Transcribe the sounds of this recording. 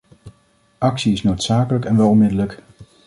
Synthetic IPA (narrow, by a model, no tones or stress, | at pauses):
ʔɑksiɪsnowtsaːkələkɛnʋɛlˠɔnmɪdələk